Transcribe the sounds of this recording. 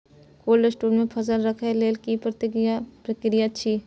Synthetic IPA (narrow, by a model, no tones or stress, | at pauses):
koːlesʈuːlmẽpʰɐzəlɾɐkʰeleːlkipɾət̪ɪkjapɾəkɾijat͡ʃʰiː